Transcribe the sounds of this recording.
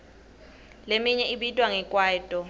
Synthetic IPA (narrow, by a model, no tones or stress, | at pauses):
lemiɲɛiɓitʼwaŋɛkʼwaːtʼɔ